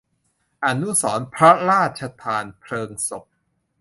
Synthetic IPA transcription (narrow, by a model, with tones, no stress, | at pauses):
ʔa˧nːu˦˥sɔː˩˦npʰɾɔ˦˥ɾaː˥˩t̪̚t͡ɕʰa˧t̪ʰaː˧npʰlɤː˧ŋso˨˩p̚